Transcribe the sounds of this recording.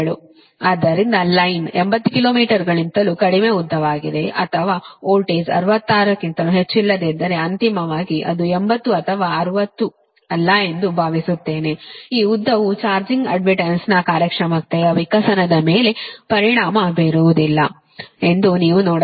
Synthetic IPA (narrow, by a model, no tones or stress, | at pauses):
ɭu | aːd̪ːɐɾind̪ɐlɐjnembɐt̪ːukiloːmiːʈɐɾɡɐɭint̪ɐlukɐɽime̞ud̪ʱːɐʋaːɡid̪e̞ʔɐt̪ʰɐʋaːoːlʈeːsɐ̰ɾuʋɐt̪ːaːɾɐkːint̪ɐluɦet͡ʃːilːɐd̪ed̪ːɐɾe̞ɐnt̪imɐʋaːɡiʔɐd̪uembɐt̪ːuɐt̪ʰɐʋaːɐɾuʋɐt̪ːu | ɐlːɐe̞nd̪ubʱaːʋisut̪ːe̞ːne̞iːud̪ʱːɐʋut͡ʃaːɾd͡ʒiŋɡɐ̰ɖmiʈensnɐkaːɾjɐkʂɐmɐkt̪ɐjɐʋikɐsɐnɐd̪ɐme̞ːle̞pɐɾiɳaːmɐbeɾuʋud̪ilːɐ̰ | e̞nd̪uniːʋunɔːɽ